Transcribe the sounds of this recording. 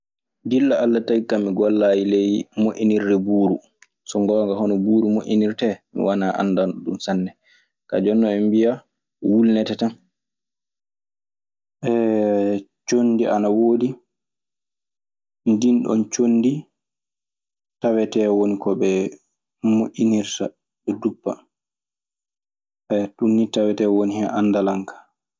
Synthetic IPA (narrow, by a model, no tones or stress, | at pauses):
dilːaalːatajkamːiɡɔlːajilɛjmoʔiniɾdɛbuːɾu | sɔŋɡɔwaŋɡaɦɔnɔbuːɾumoʔiniɾtɛmḭwanaʔa̰nːdanɗumsanːɛ | ka̰d͡ʒɔnːɔɛmbija | wulnɛtɛtan | ʔɛ | t͡ʃondiʔa̰nawoːdi | ndinɗɔ̰nt͡ʃondi | tawɛtɛwonikɔbɛ | moʔʲːiniɾta | ɓɛdubːa̰ | ɛtunːitawɛtɛwonihɛʔanːdalaŋkḁ